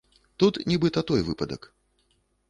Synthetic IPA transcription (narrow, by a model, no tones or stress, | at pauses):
t̪ut̪nʲɛbɨt̪ɐt̪ɔjvɨpɐd̪ə̰k